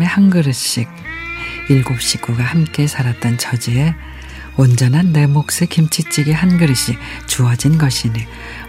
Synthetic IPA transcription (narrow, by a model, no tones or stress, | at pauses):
e̞hanɡɯɾɯɕ͈iɡ̚ | iɭɡop̚ɕ͈ik͈uɡahamk͈e̞sʰaɾat̚t͈ʌnt͡ɕʰʌd͡ʑie̞ | wʌnd͡ʑʌnɦanːe̞mok̚s͈ɯkimt͡ɕʰit͡ɕ͈ʰiɡeɦanɡɯɾɯɕ͈ik̚ | t͡ɕuʌd͡ʑinɡʌɕʰini